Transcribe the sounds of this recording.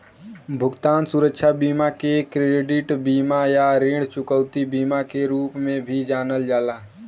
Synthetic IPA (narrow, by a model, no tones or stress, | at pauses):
bʱʊɡt̪aːnsʊɾəkʃʰabiːmakekɾeːɖɪʈbiːmajaɾeːɽt͡ʃʊkəʋt̪ibiːmakeɾuːpmẽbʱid͡ʒaːnəld͡ʒaːlaː